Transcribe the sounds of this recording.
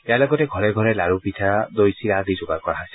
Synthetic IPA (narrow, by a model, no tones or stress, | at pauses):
ɛaɹlɔɡɔtɛɡʱɔɹɛɡʱɔɹɛlaɹupitʰaɹad̪ojsiɹadizʊɡaɹkɔɹaɦɔjsɛ̥